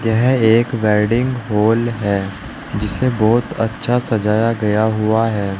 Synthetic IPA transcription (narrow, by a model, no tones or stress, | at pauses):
jɛɦeːkʋɛːɾɖɪ̃ŋɡɦoːlɦɛː | d͡ʒɪsebɔːt̪ɐ̰tːʃʰasɐd͡ʒaːjaɡɐjaɦʊaɦɛː